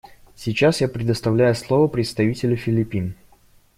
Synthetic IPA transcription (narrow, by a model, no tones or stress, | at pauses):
sʲɪt͡ɕasjapɾʲɪd̪əst̪ɐvlʲæjʊslˠovəpɾʲɪt̪st̪ɐvʲitʲɪlʲʊfʲɪlʲɪpʲin